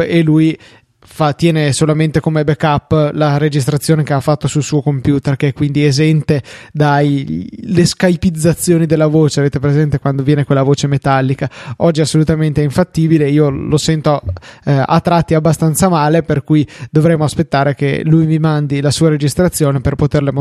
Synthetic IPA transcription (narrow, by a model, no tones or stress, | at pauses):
eluj | fat̪ːjɛːnesolament̪ekomebekapːlaɾed͡ʒis̬t̪ɾat̪sːjoːnekeafːat̪ːosulsuːokompjuːt̪erkeɛkːwind̪iezɛnt̪ed̪ajleskajpid̪zːat̪sːjoːnid̪elːavoːt͡ʃeaveːt̪epɾezɛnt̪ekwand̪ovjɛːnekwelːavoːt͡ʃemet̪alːikaɔd͡ʒːiasːolut̪ament̪eiɱfat̪ːiːbileiːolosɛnt̪o | a̰t̪ːɾat̪ːiabːast̪ant̪samaːleperkujd̪ovɾɛmːoaspet̪ːaːɾekḛlujmimand̪ilasuːaɾed͡ʒist̪ɾat̪sːjoːneperpot̪erlem